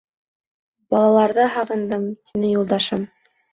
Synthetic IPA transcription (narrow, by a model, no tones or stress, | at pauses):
bɑlˠɑlˠɑɾðɤɦɑʁɤ̆nd̪ɤmt̪inɘjulˠd̪ɑʃɤm